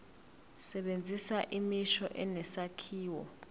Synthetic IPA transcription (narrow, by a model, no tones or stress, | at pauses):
sɛɓend͡zʱisaʔimiʃɔʔɛnɛsakʰiːwɔ̰